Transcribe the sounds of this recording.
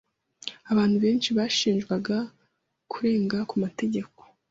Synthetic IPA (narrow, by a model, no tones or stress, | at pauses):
aβaːn̥huβe̞ːnt͡ʃiβaʃiːnʒɡwaɡa | kʰuɾe̞ːŋɡakumate̞ɟe̞ko̞̥